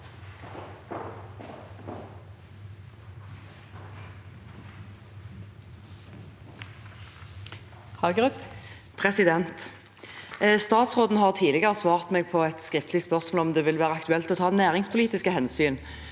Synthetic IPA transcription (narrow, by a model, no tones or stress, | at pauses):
hɑɡʁʉp | pʰʁɛsɪd̪ɛnt̪ | st̪ɑːt̪sʁoːd̪n̩ɦɑːʁt̪ʰiːlɪɡəʁəsʋɑːʁt̪meːɡ̚pʰɔɛt̪skʁɪft̪lɪspœʁsmoːlɔmd̪eːʋɪlʋæːʁəɑkt̪ʉɛlt̪ɔːt̪ʰɑːnæːʁɪŋspʰʊliːt̪ɪskəhɛnsyːn